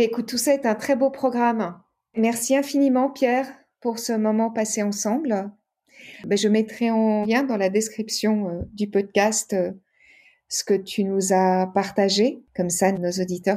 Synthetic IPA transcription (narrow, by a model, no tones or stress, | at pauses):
ekut̪ːusaɛt̪ɛ̃t̪χɛbopχɔɡʁam | mɛʁsiɛ̃finimɑ̃pjɛʁ | puʁsəmɔmɑ̃paseɑ̃sɑ̃bl | bɛʒəmɛt̪χɛɑ̃ljɛ̃d̪ɑ̃lad̪ɛskχipsjɔ̃ød̪ypɔd̪̚kʲast̪ø | sə̥kət̪ʰynuzapaʁt̪aʒekɔmsanozod̪it̪œʁ